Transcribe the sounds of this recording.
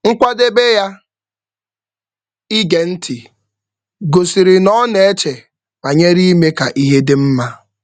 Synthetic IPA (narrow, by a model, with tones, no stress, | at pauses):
ŋ̩˦kʷa˦de˦be˦ja˦ | i˦ɡe˨n̩˦tʰi˨ | ɡo˨si˨ɾɪ˨nɔ˦ne˨e˦t͡ʃe˨ | ma˨ɲe˦ɾi˦me˦ka˨ʔi˦ɦe˦dɪ˦m̩˦ma˦